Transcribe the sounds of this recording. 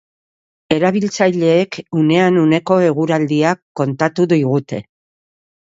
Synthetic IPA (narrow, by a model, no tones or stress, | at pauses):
e̞ɾaβ̞ilt͡sajʎe̞ːkune̞anune̞ko̞e̞ɣ̞uɾald̪iakːo̞nt̪at̪uðiɣut̪e̞